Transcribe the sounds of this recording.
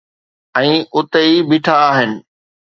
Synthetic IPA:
ɛ̃ːʊt̪eibɪʈʰaːɦɪnɪ̆

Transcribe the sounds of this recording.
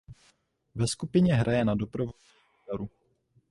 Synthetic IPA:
vɛskupɪɲɛɦɾʔajɛnado̞pɾovo | aɾu

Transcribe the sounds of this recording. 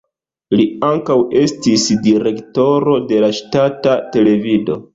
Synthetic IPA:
liaŋkawe̞stisdiɾe̞kto̞ɾo̞de̞laʃtatate̞le̞vido̞̰

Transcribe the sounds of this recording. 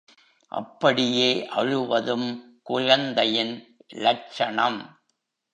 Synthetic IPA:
ʔɐ̰pːɐɽɪjeːʔɐɻɯʋɐðɯm | kʊɻɐnd̪ɐjɪnlɐʈ̚t͡ʃɐɳɐm

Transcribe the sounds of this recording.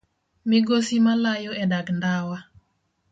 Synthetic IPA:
mɪɡosimalajoɛdaɡndawa

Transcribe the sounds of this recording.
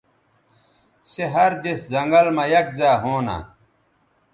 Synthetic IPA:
seɦɐɾd͡ʑ̪eszɐŋɡɐlmɐjɐk̚zaːɦoːna̰

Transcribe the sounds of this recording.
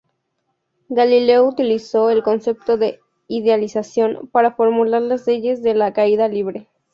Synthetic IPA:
ɡalile̞out̪iliso̞elko̞nse̞p̚t̪o̞ðe̞ | iðealisasjo̞npaɾafo̞ɾmulaɾlazle̞ʝe̞zðe̞lakaiðaliβɾe̞

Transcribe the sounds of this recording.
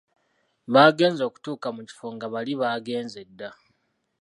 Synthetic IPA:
βaːɡe̞ːnzo̞ːku̥tuːkamuci̥fo̞ŋɡaβaliβaːɡe̞ːnzedːa

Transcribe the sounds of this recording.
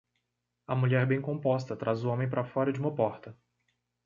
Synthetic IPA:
ɐmuʎɛɾbẽj̃kõmpɔst̪ɐt̪ɾazʊõmẽj̃pɾɐfɔɾɐd͡ʒɪũmɐpɔɾt̪ɐ

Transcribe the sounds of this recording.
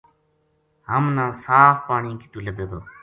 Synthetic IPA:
ɦəmnãːsaːfpaːɳĩːkit̪uːleb̪eːd̪oː

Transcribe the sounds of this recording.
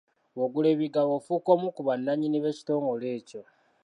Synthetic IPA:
woɡule̞βiɡawofuko̞ːmukuβanːaɲiniβe̞ci̥to̞ːŋɡo̞le̞ːco̞

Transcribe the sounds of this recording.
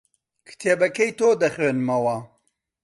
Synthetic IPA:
kʰɨ̥t̪ʰeːbɐkɐjt̪oːd̪ɐχweːnɨmɐwɐ

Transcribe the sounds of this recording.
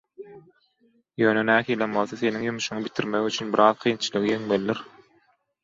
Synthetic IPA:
jø̞ːnønæːhiːlʲenbo̞lˠθoθe̞niŋjymuʃuŋɯbit̪ʰiɾmeɣyt͡ʃʰynbiɾɑːðqʰijnt͡ʃʰɯlˠɯɣijeŋmelːiɾ

